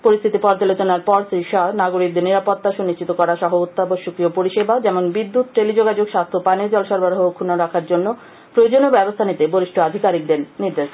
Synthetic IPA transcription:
poɾist̪ʰit̪ipɔɾt͡ɕalot͡ɕonaɾpɔɾʃeʃanaɡoɾik̚d̪eɾniɾapot̪ːaʃuniʃt͡ɕit̪okɔɾaʃɔɦout̪ːaboʃokɾiopoɾiʃebʱad͡ʑɛmonbid̪ːut̪̚ɾelid͡ʑoɡad͡ʑoɡʃast̪ʰopaneɾd͡ʑɔloʃɔɾbaɾɦoɦokʰːunaɾakʰaɾd͡ʑonːo | pɾood͡ʑonobɛbost̪ʰanit̪eboɾiʃʈʰoad̪ʱikaɾik̚d̪eɾniɾd̪eʃ

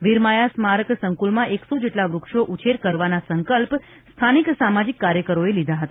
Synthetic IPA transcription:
ʋiɾmajasmaɾəksəŋkulmãʔeksod͡ʒeʈlaʋɾukʃoʔut͡ʃʰeɾkəɾʋanasəŋkəlp | st̪ʰaniksamad͡ʒikːaɾjəkəɾoelid̪ʱaɦət̪aa

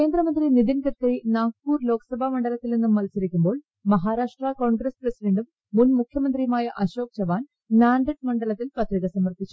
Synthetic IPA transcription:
ke̞ːnd̪ɾɐmɐnd̪rinid̪inkɐrkɐɾinaːkkuːrlo̞ːkɐ̥sɐbʱamɐɳɖɐlɐt̪ːilnenːumːɐlsɐɾikʲːumbo̞ːɭ | mɐɦaːɾaːʂʈrako̞ːɳɡɾɐsprɐsiɖɐɳɖumːunmukʰjɐmɐnd̪ɾijmaːjɐʔɐɕo̞ːk̚t͡ɕɐʋaːn | naːɳɖɐʈ̚mɐɳɖɐɭɐt̪ːilpɐt̪riɣɐsɐmːɐrt̪it͡ɕːu

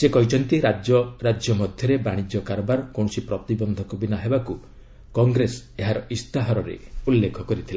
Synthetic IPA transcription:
sekɔɦit͡ʃʰɔnt̪iɾad͡ʒɔɾad͡ʒjɔmɔd̪ʱjɔɾebaɽ̃id͡ʒjɔkaɾɔbaɾɔkoɳsipɾɔt̪ibɔnd̪ʱɔkbinaɦebaku | kɔŋɡɾeseɦaɾɔist̪aɦaɾɔɾḛulːekʰɔkɔɾit̪ʰila

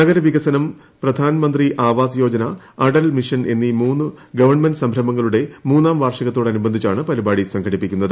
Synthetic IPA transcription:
nɐɡɐɾɐʋiɣɐsɐnɐm | prɐd̪ʱaːnɐmɐnd̪riʔaːʋaːsɐjo̞ːd͡ʑɐnɐ | ɐɽɐlmiʂɐne̞nːimuːnːu | ɡɐʋɐrɳmenɖɨsɐmbʱɾɐmɐŋːɐɭuɽe̞muːnːaːmʋaːrʂɐɣɐt̪ːoːɽeɐnubɐnd̪ʱit͡ɕːaːɳɨpɐlibaːɽisɐŋkʰɐɽipːikʲːunːɐðɨ

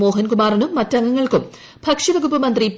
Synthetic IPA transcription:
moːɦɐnkumaːrinumːɐtːɐŋːɐŋːɐɭkum | bʱɐkʂiʋɐɡʱupːɐmɐnd̪rip

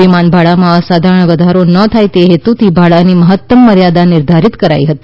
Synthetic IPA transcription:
imanbʱaɭamãəsad̪ʱaɾəɳ̃ʋəd̪ʱaɾonət̪ʰajt̪eɦet̪ut̪ʰibʱaɭaniməɦət̪ːəmːəɾjad̪anɪɾd̪ʱaɾit̪kəɾa̰iɦət̪i̥

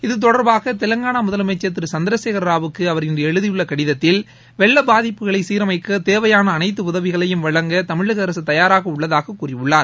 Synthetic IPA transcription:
ɪðɯt̪̬ɔɽɐɾbaːɣɐt̪ɛlɐŋɡaːnamʊðɐlmɐt͡ʃːɐt̪̬ːɪɾɯsɐnd̪ɐɾɐseːɣɐɾɐɾaːʋɯkːɯɐʋɐɾɪndrɐɛɻɯðɪjɯɭːɐkɐɽɪðɐt̪ːɪl | ʋɛɭːɐbaːðɪpːɯɣɐɭɐɪsiːɾɐmɐɪkːɯt̪eːʋɐjaːnɐːnɐɪt̪ːɯʊðɐʋɪɣɐɭɐjɯmʋɐɭɐŋɡɐt̪ɐmɪɻɯɣɐːɾɐsɯt̪ɐjaːɾaːɣɐʊɭːɐðaːɣɐkːuːrɪʊɭːaːɾ

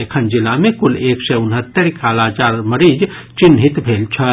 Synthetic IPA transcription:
ekʰənd͡ʒilamekuleksɛunɦət̪ːəɾkalad͡ʒaɾməɾid͡ʒ | t͡ʃinɦit̪bʱelt͡ʃʰə

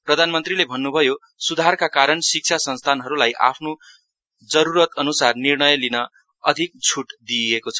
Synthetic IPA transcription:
prʌd̪ʱanmʌnt̪rilebʱʌnːubʱʌjo | sud̪ʱarkakaɾʌɳsik̚t͡sʰasʌnst̪ʰanɦʌɾulajʔa̰pʰno | d͡zʌɾuɾʌt̪ʌnusarnirɳʌjlinʌ | ʌd̪ʱik̚t͡sʰuʈd̪iekot͡sʰʌ

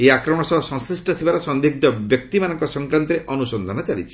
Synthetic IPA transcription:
eakɾɔmɔɽ̃ɔsɔɦɔsɔ̃ŋsɾisʈɔt̪ʰibaɾɔsɔnd̪ʱiɡ̚d̪ɔbjɔk̚t̪imanɔŋkɔsɔŋkɾant̪ɔɾeʔɔnusɔnd̪ʱɔnɔt͡ʃalit͡ʃʰi̥

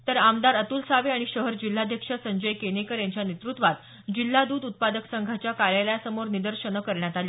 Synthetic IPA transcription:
t̪əɾamd̪aɾət̪ulsaʋeaɽ̃iɕəɦəɾd͡ʑil̤ːad̪ʱjəkʂəsəɲd͡ʑəjkenekəɾjaɲt͡ɕjanet̪ɾut̪ʋat̪ | d͡ʑilːad̪uːd̪ut̪̚pad̪əksəŋɡʱat͡ɕjakaɾjaləjasəmoɾnid̪əɾɕəɳ̃əkəɾɳjat̪aliː

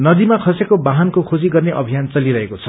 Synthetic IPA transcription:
nʌd̪imakʰʌsekobaɦankokʰod͡ziɡʌrneʔʌbʱijant͡sʌliɾʌɦekot͡sʰʌ

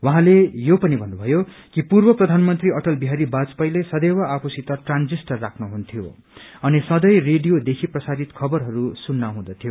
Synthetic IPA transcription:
waɦãlejopʌnibʱʌnːubʱʌjo | kipurbʌprʌd̪ʱanmʌnt̪riʌʈʌlbiɦaɾibat͡spʌjlesʌd̪ewaapʰusit̪ʌʈrand͡zisʈʌrːakʰnuɦunt̪ʰijo | ʌnisʌd̪ʌjreɖijod̪ekʰiprʌsaɾit̪kʰʌbʌrɦʌɾusunːaɦũd̪ʌt̪ʰjo

